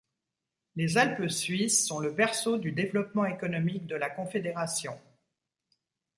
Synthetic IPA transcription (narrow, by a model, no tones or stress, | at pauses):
lezalpsɥisːɔ̃ləbɛʁsod̪yd̪evlɔpmɑ̃ekɔnɔmik̚d̪əlakɔ̃fed̪eʁasjɔ̃